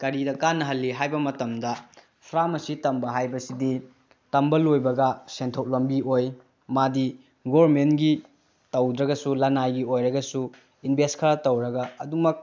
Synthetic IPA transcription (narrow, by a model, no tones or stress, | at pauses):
kɐɾidɐkanːɐɦɐlːiɦajbɐmɐtɐmdɐ | pʰɾamɐsitɐmbɐɦajbɐsidi | tɐmbɐlojbɐɡɐsentʰowlombioj | madi | ɡobɾmenɡi | tɐwd̪ɾɐɡɐsulɐnajɡiojɾɐɡɐsu | inbʱestkʰɐɾatɐwɾɐɡɐɐdumɐk̚